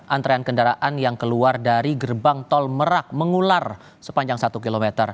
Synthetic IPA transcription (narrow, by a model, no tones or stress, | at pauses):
ʔant̪ɾeankəndaɾaʔanjaŋkəluardaɾiɡərbaŋt̪ɔlməɾak̚məŋular | sə̥paɲd͡ʒaŋsat̪ukilomet̪ər